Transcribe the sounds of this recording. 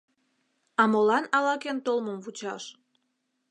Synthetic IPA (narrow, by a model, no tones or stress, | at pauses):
ɑmolɑnɑlɑkent̪olməmvut͡ɕɑʃ